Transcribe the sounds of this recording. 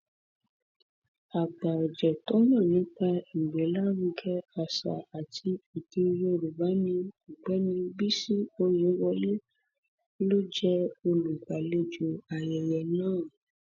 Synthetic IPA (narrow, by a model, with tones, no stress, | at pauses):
a˨ɡ͡ba˨d͡ʒɛ˨tɔ˦nã˦˨nĩ˨˦k͡pa˧i˨ɡ͡bɛ˨˦la˦wu˧ɡɛ˦a˧sa̰˨a˨tʰi˧i˨ke˧˦jo˦˧ɾu˨ba˨˦nĩ˧u˨ɡ͡bɛ˨˦nĩ˧bi˦si˦o˧je˨˦wɔ˧le˦ | lo˦d͡ʒɛ˦o˧lu˨ɡʷa˨le˧d͡ʒu˧˨a˨jɛ˨jɛ˨nãː˦˨